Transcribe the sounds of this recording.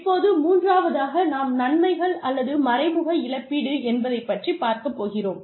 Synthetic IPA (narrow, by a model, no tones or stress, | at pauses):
pːoːðɯmuːndraːʋɐðaːɣɐnaːmnɐnmɐɪɣɐɭɐlːɐðɯmɐɾɐɪmʊɣɐɪɭɐpːiːɽɯɛnbɐðɐɪpːɐʈripːaːɾkɐpːoːɣɪroːm